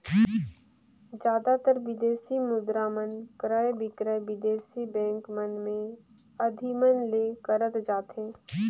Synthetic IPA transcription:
d͡ʒjaːd̪at̪əɾʋɪd̪eːsimʊd̪ɾaːmənkɾəjbɪkɾəjʋɪd̪eːsibɛ̃ːŋkmənmẽ | ɐd̪ʱimənlekəɾət̪d͡ʒaːt̪ɦẽː

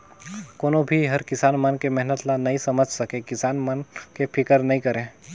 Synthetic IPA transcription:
koːnobʱiɦɐɾkɪsaːnmɐnkemɛɦnət̪lanɐɦĩsɐməd͡ʒʱsɐkẽkɪsaːnmənkepʰɪkəɾnɐɦĩkɐɾẽː

